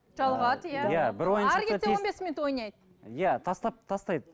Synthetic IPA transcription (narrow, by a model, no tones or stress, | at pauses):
ʒɑlˠʁɑt̪jæbɪɾwojənɑɾɡʲet̪eeonbesmʲnɪt̪wo̞jnɑjd̪ə | jæt̪ʰɑst̪ɑp̚t̪ʰɑst̪ɑjd̪ə